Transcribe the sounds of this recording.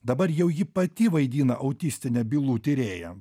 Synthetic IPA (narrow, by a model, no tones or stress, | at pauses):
d̪ɐbɐɾjɛʊjɪpɐt̪ʲiʋɐɪd̪ʲiːnɐʔɐʊt̪ʲisʲt̪ʲɪnʲɛbʲilˠuːt̪ʲɪɾʲeːjɛ